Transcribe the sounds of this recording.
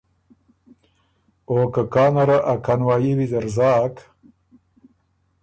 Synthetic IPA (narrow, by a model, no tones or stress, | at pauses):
oːkakaːnɐɾaʔakʰanwaːjiwizɐɾzɑːk